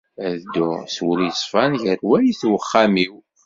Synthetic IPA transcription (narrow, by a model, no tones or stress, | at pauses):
æðd̪ːʊswəljsˤfɑnʝəɾwæjiθwəχːæmiw